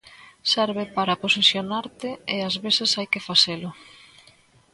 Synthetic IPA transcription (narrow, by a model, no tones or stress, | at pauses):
sɛɾβɪpaɾaposesjonaɾt̪ɪeazβesɪsajkɪfaselʊ